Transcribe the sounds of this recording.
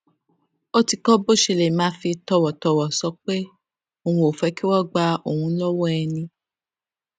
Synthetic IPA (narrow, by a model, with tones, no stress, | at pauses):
o˦ti˨kɔ˦bo˦ʃe˧˨le˨mãː˨˦fi˧tɔ˧wɔ˨tɔ˧wɔ˨sɔ˨˦k͡pe˦ | o˨hũ˧o˨fɛ˨˧˦ki˦wɔ˦ɡ͡ba˧o˨hũ˧lɔ˦wɔ˦ɛ˧nĩ˧